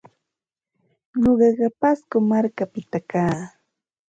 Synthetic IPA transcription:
ɲoɢɑɢɑpaskʊmaɾkapɪt̪akaː

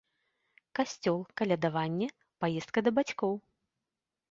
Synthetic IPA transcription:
kasʲt͡sʲɔlˠkalʲad̪avanʲːɛ | pajɛst̪̚kɐd̪ɐbat͡sʲkɔw

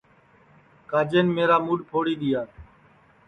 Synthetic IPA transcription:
kaːd͡ʒeːnːmeːɾaːmuːɖpʰoːɽiːɗ̪ɪjaː

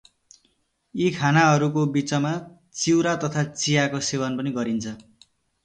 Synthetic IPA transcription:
ikʰanaɦʌɾukobit͡sʌma | t͡siwɾat̪ʌt̪ʰat͡sijakosebʌnpʌniɡʌɾint͡sʰʌ

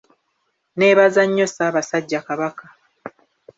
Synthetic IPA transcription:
ne̞ːβazaɲːo̞saːβasaɟːakaβaka

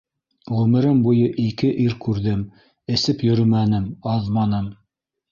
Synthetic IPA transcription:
ʁʉmɘ̆ɾɘmbujɤʔikɘʔiɾkʉɾðɘm | ɘ̆sɘpjɵ̆ɾɘmænɘmɑðmɑnɤm

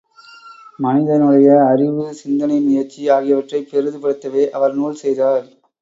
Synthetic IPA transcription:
mɐnɪðɐnɯɽɐjɐːɾɪʋɯsɪnd̪ɐnɐɪmʊjɐɾt͡ʃiaːɣɪjɐʋɐʈrɐɪpːɛɾɯðɯpɐɽɯt̪ːɐʋeːʔɐʋɐɾnuːɭsɛjðaːɾ

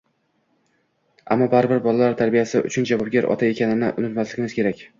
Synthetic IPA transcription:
a̰mːɒbaɾɪbɪɾbɒlˠalaɾt̪ʰaɾbijasɪʊ̰t͡ʃʰʊnd͡ʒavɒb̚ɡʲaɾʔɒ̰t̪ʰae̞kʲʰanɪnɪ̰ʔʊnɪt̪maslɪɡʲɪmɪz̥kʲe̞ɾakʲ

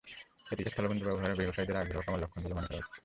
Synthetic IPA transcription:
et̪ikest̪ʰɔlobond̪ubɛboɦaɾeɾbiboʃajd̪eɾaɡɾokamalɔkʰːonilemanɾat̪

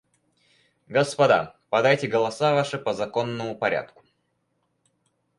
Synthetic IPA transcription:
ɡəspɐd̪a̰pɐd̪ajtʲɪɡəlˠɐsavaʂɨpəzɐko̞nːəmʊpɐɾʲa̰t̪̚kʊ̥

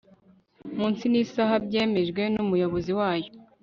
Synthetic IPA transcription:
muːnsinisaɦabɟe̞ːme̞ʒɡwe̞numujo̞βo̞ziwaːjo

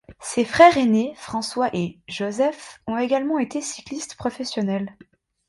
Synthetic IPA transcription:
sefχɛʁenefχɑ̃swaʔeʒozɛfɔ̃eɡalmɑ̃et̪esi̥klist̪pχɔfɛsjɔnɛl

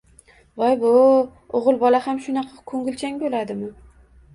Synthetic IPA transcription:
vajbʊ | oʁɨlˠbɒlahamʃʊnɑqʰɑkʰɵŋɡʲɪlt͡ʃʰaŋʲbolad̪ɪmɪ

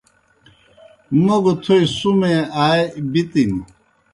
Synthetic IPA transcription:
moɡut̪ʰuisumeaːebit̪ini

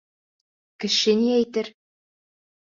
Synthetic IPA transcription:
kɘ̆ʃɘniæjt̪ɘɾ

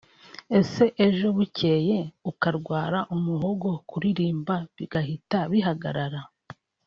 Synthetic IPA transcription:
e̞se̞ʔeʒo̞βuce̞ːje̞ukaɾɡwaːɾaʔumuɦoɡo̞kuɾiɾiːmbaβiɡahitaβiɦaɡa̰ɾaɾa

